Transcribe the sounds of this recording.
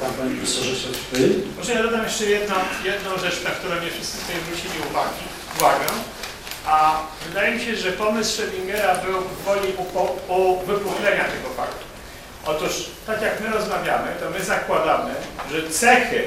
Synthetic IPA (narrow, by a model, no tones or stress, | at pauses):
t̪apaɲipʲisɔʐɛpʃɛt̪fɘɔtɛjad̪ɔd̪amjɛʂt͡ʂɛjɛd̪̚nɔ̃w̃jɛd̪nɔ̃w̃ʐɛt͡ʂnak̚t̪uɾɔ̃w̃mɲɛfʂɘst̪sɘ̥sfɔjɔ̃zɾut͡ɕelʲiuvaɡʲi | uvaɡɛ | ʔavɘd̪ajemʲiɕɛʐɛpɔmɘsʂɛvʲimɡɛɾabɘwɔvvɔlʲiʔupɔuvɘpuwnɛɲat̪ɛɡɔfa̰kt̪u̥ | ʔɔt̪uʂt̪akʲjakmɘɾɔzmavʲjamɘt̪ɔmɘzakwad̪amɘʐɛt̪sɛxɘ